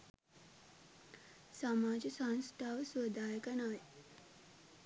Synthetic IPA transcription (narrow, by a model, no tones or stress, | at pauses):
samaːd͡ʒəsanst̪ʰaːʋəsuəd̪ʱaːjəkənaːj